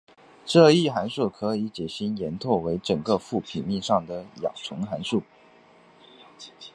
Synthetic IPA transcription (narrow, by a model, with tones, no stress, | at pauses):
ʈ͡ʂɤ˥˧i˥˩xa˧˥nʂu˥˩kʰɤ˧˥i˧˥t͡ɕɛ˨˩ɕi˥njɛ˧˥nt̪ʰwɔ˥˩we˧˥ɪʈ͡ʂɤ˨˩ŋkə˧fu˥˩pʰi˨˩ŋmi˥˧ŋʂɑ˥˩ŋd̪ə˩jɑ̰˨˩ŋʈ͡ʂʰʊ˧˥ŋxa˧˥nʂu˥˩